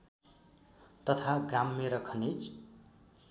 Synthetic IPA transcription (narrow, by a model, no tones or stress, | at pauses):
t̪ʌt̪ʰaɡramːeɾʌkʰʌnit͡s